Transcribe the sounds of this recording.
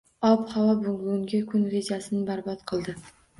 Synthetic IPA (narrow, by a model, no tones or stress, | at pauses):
ɒphavɒbʊŋlˠŋɡʲakʰʊnɾe̞d͡ʒasɪnɪbaɾbɒt̪qʰɨlˠd̪ɪ